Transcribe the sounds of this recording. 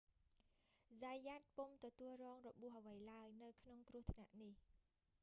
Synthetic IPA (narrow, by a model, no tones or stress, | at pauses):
zajaːt̪̚pumt̪ɔt̪uəlrɔːŋrɔɓuəhʔəʋəjlaəjnɨwkʰnoŋkrŭəht̪ʰna̰ʔnih